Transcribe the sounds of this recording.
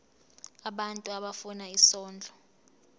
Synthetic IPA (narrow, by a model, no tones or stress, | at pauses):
aɓantʼuaɓafunaisɔːnd͡ɮʱɔ